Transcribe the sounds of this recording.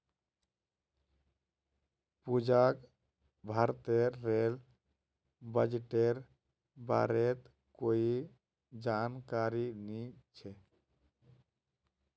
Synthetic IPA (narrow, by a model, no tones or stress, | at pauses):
pud͡ʒak | bʱaɾt̪eɾːel | bəd͡ʒeʈeɾ | ba̰ɾet̪ | koi | d͡ʒankaɾinit͡ʃʰɛ